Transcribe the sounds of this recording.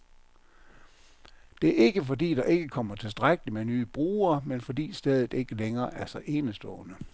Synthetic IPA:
d̥e̝æɐe̝ɡ̥əfɒ̽d̥ḭːd̥ɑ̈ʔe̝ɡ̥əkʰɒ̽m̰ɐt͡sʰe̝lsd̥ʁaɡ̥əlimenyːb̥ʁuːɐmenfɒ̽d̥ḭːsd̥ɛð̞ˠð̩ˠe̝ɡ̥əleŋɐːʔæɐsɑɪʔe̝ːnəsd̥ɔ̰̽ːnə

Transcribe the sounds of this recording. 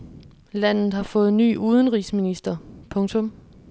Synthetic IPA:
læn̰ð̩ˠhɑ̈fɔ̽ːð̩ˠny̰ːʔuːð̞ˠn̩ʁḭːsminisd̥ɐpʰɔ̽ŋt͡sʰɔ̽m

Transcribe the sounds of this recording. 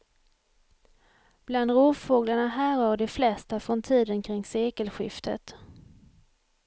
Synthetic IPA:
b̥land̪ɾuːfoːɡlaɳaɦæːɾhaːɖɛflɛst̪afɾɔnt̪ʰiːd̪ənkʰɾɪŋseːkəlɧɪ̰ft̪ʰə̰t̪

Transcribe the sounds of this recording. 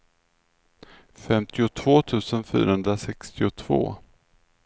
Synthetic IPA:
fɛmt̪ʰɪʊt̪ʰvoːt̪ʰʉ̟ːsənfy̰ːɾahɵnd̪ɾasɛkst̪ɪʊt̪ʰvo̰ː

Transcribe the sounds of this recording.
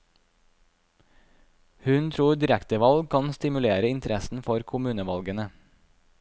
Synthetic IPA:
hʉnt̪ʰɾuːɖ̪ɪɾɛkt̪əʋɑlɡ̚kʰɑnst̪ɪmʉleːɾəɪnt̪əɾɛsn̩fɔɾkʰʊmʉːnəʋɑlɡənə

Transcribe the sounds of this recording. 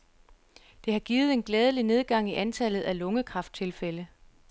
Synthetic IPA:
d̥e̝hɑ̈ɡ̥iːð̩ˠe̝nɡ̥lɛːð̞ˠəline̝ð̞ˠɡ̥ɑ̈ŋ̰iʔænt͡sʰæl̰ð̩ˠælɔ̽ŋəkʰʁɑ̈fd̥̚t͡sʰe̝lfelə

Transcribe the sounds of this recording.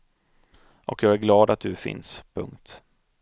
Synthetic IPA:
ʔɔkjɑːɡæɾɡlɑːd̪at̪̚d̪ɵfɪ̰nspʰɵ̰ŋkt̪

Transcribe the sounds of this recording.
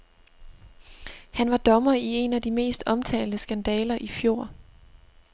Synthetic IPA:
hænʋɑ̈d̥ɒ̽mɐie̝næd̥ime̝̰ːsd̥ɒ̽mt͡sʰɛ̰ːldəsɡ̥ænd̥ɛːlɐʔifjo̝ːɐ̰

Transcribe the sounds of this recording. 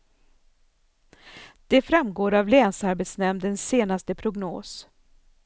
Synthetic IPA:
d̪̥ɛfɾamɡoːɾavlɛːnsaɾbet̪snɛmd̪ɛnseːnast̪əpʰɾʊɡno̰ːs

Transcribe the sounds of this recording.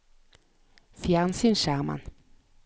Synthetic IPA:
fjaʁnsinʃaʁma̰n

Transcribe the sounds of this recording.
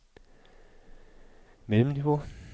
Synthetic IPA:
meləmniʋo

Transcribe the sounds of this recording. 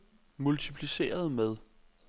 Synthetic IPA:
mult͡sʰipʰlise̝̰ːɐð̞ˠmeð̞ˠ

